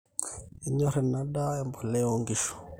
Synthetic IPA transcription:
i˨ɲɔ˦ɾɛ˨na˦ɗa˦ɛ˦mbɔ˨lɛ˦ɔ˨ŋɡi˦ʃɔ̥˨

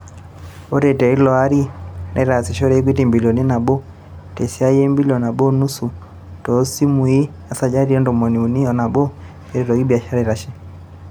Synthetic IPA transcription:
ɔ˦ɾɛ˨tɛ˨i˦lɔ˨a˦ɾi˦nʔɛ̰˦ɾa˨si˨ʃɔ˦ɾɛ˦i˦k̬wi˦ti˨mbi˨li˨ɔ˨ni˦na˨bɔ˦ | tɛ˨si˦a˦jɛ˦mbi˦liɔ˨na˨bɔ˦nu˦su˨ | tɔ˨˦si˦mu˨i˦ | a˨sa˨d͡ʒa˦ɾi˦ɔ˦ndɔ˨mɔ˨ni˨u˨ni˦ɔ˨na˨bɔ˦ | ɛ˦ɾi˨ɾɔ˨ɣi˦bi˨a˨ʃa˦ɾa˨ɾa˦ʃɛ˦

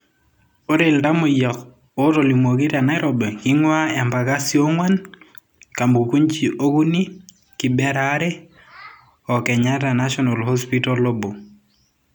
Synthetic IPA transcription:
o˦ɾe˨lda˦mo˨jɔ˨k | o˦ɾo˨li˨mo˨ɡi˦ɾa˨na˦ɪɾɔbɛ˨kɪ˦ŋwa˦ɛ˨mba˨ka˦sjo˦ŋwa˦n | ka˨mbu˨ku˦ɲt͡ʃi˨ʔo˦ɡu˦ni˦ | ki˨bɛ˦ɾaɾɛ˦ | ɔ˨kɛ˨ɲa˦ɾa˨na˦ʃɔ˦na˨lho˦spito˦lo˦bo˨

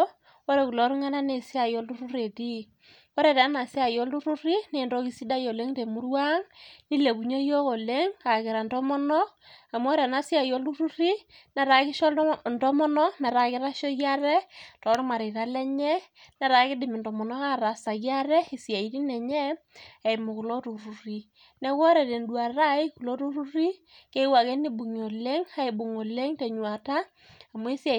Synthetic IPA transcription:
o˦ɾɛ˨ku˨lɔ˨˦ɾu˦ŋa˦na˦ne˨si˦a˨jɔ˦lu˦ɾu˦ɾe˨ti˦ | ɔ˦ɾɛ˨ta˨˦na˨si˦a˨jɔ˦lu˦ɾu˦ɾi˦ne˨ndɔ˦ki˨˦si˦da˦jɔ˨le˦ŋde˨mu˦rwa˦ŋni˦le˨ku˨ɲo˦jɔ˦ɣɔ˨le˦ŋka˨kɪ˨ɾa˨ndɔ˦mɔ˦nɔ˦ | a˨m˦ɔ˦ɾa˨na˨˦sja˨jɔ˦lu˦ɾu˦ɾi˦ | na˨ɾa˨kɪ˦ʃɔ˦ndɔ˦mɔ˦nɔ˦na˨ɾa˨kɪ˦ɾa˦ʃɔ˦ɣja˦ɾɛ˦tɔ˨˦ɾma˨ɾe˨ɾa˦lɛ˦ɲɛ˦ | nɛ˨ɾa˨˦kɪ˦dɪ˨mi˨ndɔ˨mɔ˨nɔ˦ka˦ɾa˨sa˨ɣja˦ɾɛ˦ɪ˨sja˨i˨ti˦nɛ˨ɲɛ˦ | a˨ɪ˨mʊ˨kʊ˨lɔ˦ɾu˨ɾu˨ɾi˨ | nɛ˦kɔ˦ɾɛ˨te˨ndwa˨ɾa˦ɪ˦ku˨lo˦ɾu˦ɾu˦ɾi˦ke˦wa˨ke˦ni˦bu˨ɲ˨o˨le˦ŋha˦i˨bu˨ŋo˨le˦ŋtɛ˨ɲwa˨ta˦ | a˨mo˦i˦sja˨

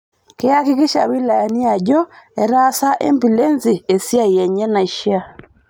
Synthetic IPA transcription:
kɪ˦a˦kɪ˦kɪ˦ʃa̰˨wi˦la˨ja˨ni˦a˨d͡ʒɔ˦ɛ˨ɾa˦sa˦ʔḛ˦mbi˨le˦nzɪ˨e˨sja˦˨jɛ˨ɲɛ˦na˨ʃa˦˨

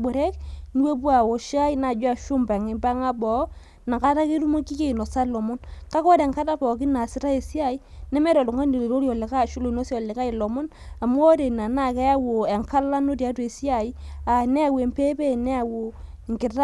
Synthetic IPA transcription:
bo˨ɾe˦kni˦we˦pwa˨wo˨ʃa˦i˦na˨d͡ʒwa˦ʃʊ˦mba˨ŋɪ˨mba˦ŋa˦bɔ˨˦ | na˨ka˦ta˦ke˦ɾu˦mo˦ki˦ke˦i˨no˨sa˦lɔ˨mʊ˦nka˦kɔ˦de˨ŋka˦ta˦pɔ˨k̬ɪ˦na˨sɪ˨˦ta˦e˨si˦a˦˨i˦nɛ˦me˦ɾɔ˨lʊ˨ŋa˦ne˨le˨ɾo˦ɾi˦ɔ˨le˨ka˦˨ʃu˦lo˨no˦si˦ɔ˨lɪ˨ka˦i˨lɔ˨mʊ˦n | a˨m˦ɔ˦ɾe˨na˨na˦˨kɛ˦ja˦wo˨e˨ŋka˦la˦no˦tja˦twe˨si˦a˨i˦a˨nɛ˦a˦˨we˨mpe˦pe˦˨nɛ˦a˨wo˨ | ŋkɪ˨ta˦

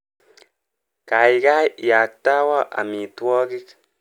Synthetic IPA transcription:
ka˨i˨ka˦ja˨k̚ta˦wa˦ʔa̰˨mi˨twɔ˦kɪ˦k

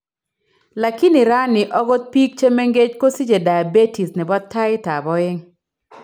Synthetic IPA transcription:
la˨ki˦nɪ˨ɾa˦nɪ˨ʔɔ˦ɡo˦t̪̚pi˦k̚t͡ʃe˦me˦ŋɡe˦d͡ʒko˦si˦d͡ʒe˨da˨be˦ti˨snɪ˨bɔ˦tʰːa˦ɪ˦ta˨bɔ˦ɪ˦ŋ

